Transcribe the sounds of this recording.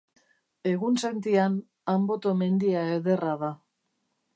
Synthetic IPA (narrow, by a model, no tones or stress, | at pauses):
e̞ɣunse̞nt̪ian | ambo̞t̪o̞me̞nd̪iae̞ðe̞raða